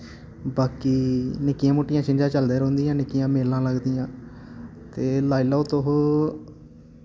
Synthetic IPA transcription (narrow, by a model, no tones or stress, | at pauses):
baːkiːnɪkːɪjãːmoːʈːɪjãːt͡ʃɪ̃ɲd͡ʒãːt͡ʃəld̪eːɾõːnd̪ijãːnɪkːɪjãːmeːlãːləɡd̪ijãː | t̪eːlaːiloːt̪oɦo